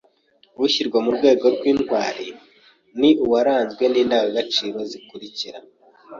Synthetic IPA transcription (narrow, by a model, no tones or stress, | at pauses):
ɾuɕiɾɡwomuɾɡwe̞ːɡo̞ɾɡwiːnwaːɾi | niʔuwaɾaːnzɡwe̞niːndawoɡat͡ʃiːɾo̞zikuɾiciɾa̰